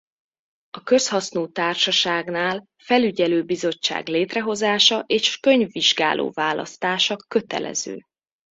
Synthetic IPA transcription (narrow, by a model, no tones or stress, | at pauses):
ɒkø̞shɒsnoːt̪aːrʃɒʃaːɡnaːl | fɛlyɟɛløːbizo̞t͡ʃːa̰ːɡleːt̪rɛɦo̞zaːʃɒʔeːʃkø̞ɲvːiʒɡa̰ːlʔo̰ːvaːlɒ̰st̪aːʃɒkø̞t̪ɛ̰lɛ̰zø̰ː